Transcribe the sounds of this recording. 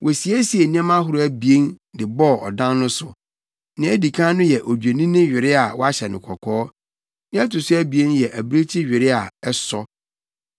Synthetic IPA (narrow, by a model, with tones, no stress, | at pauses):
wʔɔ˨si˨æ˦si˨e˨nĩ˦ã˦mã˦ɦʊ˦ɾʊ˦æ˨bi˨e˦ndɪ˨bɔ˦˨ɔ̰˨dã˦nː˦ʊ̃˦sʊ˨ | nɪ̃˨˦æ˦di˨kʰã˦nʊ̃˦jɛ˨ʔo˨d͡ʑᶣe˨nĩ˦nɪ̃˦ɥᶣɪ˨ɾɪ˦a˨wɔ˦a˦ɕɛ˨nɪ̃˨kʰɔ˨kʰɔː˦ | nɪ̃˦ɛ˦tʊ˨sʊ˦æ˦bi˨e˦njɛ˨ʔæ˨bɾe˦t͡ɕʰi˦ɥᶣɪ˨ɾɪ˦a˨ɛ˦sɔ˦